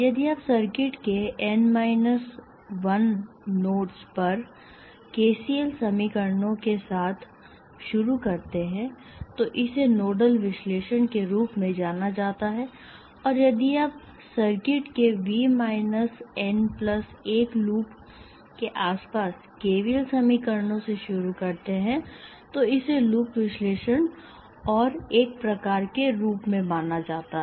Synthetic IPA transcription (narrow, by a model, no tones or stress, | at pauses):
jɐd̪iapsɐɾkɪʈkeɛnmaːɪnəs | ʋɐnː | oːʈspɐɾ | keːsiːəlsɐmikəɾnõkesaːt̪ʰ | ʃʊɾukɐɾt̪eɦɛ̃ | t̪oʔɪsenoːɖəlʋɪʃleːʃənkeɾuːpmẽd͡ʒaːnad͡ʒaːt̪aɦɛ | ɔːɾjɐd̪iap | sɐɾkɪʈkeʋimaːɪnəsɛnplɐs | eːkluːp | keʔaːspaːs | keːʋiəlsɐmikəɾnõseʃʊɾukɐɾt̪eɦɛ̃ | t̪oɪseluːpʋɪʃleːʃən | ɔːɾeːk̚pɾɐkaːɾkeɾuːpmẽmaːnad͡ʒaːt̪aɦ